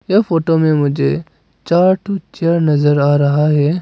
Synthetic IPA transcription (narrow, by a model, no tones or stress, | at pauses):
efoːʈomẽmʊd͡ʒʱe | t͡ʃaːɾʈʰut͡ʃəɾnɐzəɾaːɾɐɦaɦɛː